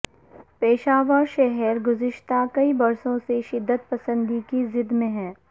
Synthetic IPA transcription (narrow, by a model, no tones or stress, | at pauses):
peːʃaːʋaʃɛɦɛɾɡʊzɪʃt̪akɐibɐɾsõseʃɪd̪ːət̪̚pɐsə̃nd̪ikizɪd̪mẽɦɛ̃ː